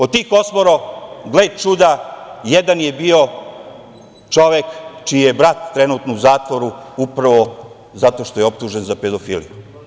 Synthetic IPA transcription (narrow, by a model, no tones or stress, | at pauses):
ot̪ikosmoɾoɡled̪t͡ʃud̪ajed̪anjebio̞ | t͡ʃo̞ʋekt͡ʃiːjebɾat̪ːɾenuːt̪nouzaːt̪ʋoɾuupɾaʋo̞ | zat̪o̞ʃt̪o̞jeop̚t̪uʒenzaped̪ofiːlḭju